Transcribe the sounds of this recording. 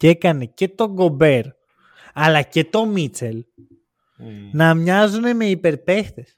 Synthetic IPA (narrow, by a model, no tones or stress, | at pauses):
ekaneket̪oɡobeɾ | alaket̪omit͡ʃel | namɲaz̬onemeipeɾpehðes